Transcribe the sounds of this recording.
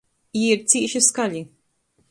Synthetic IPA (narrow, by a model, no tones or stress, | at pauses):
jɪɾt̪iːʔʃɪskɐli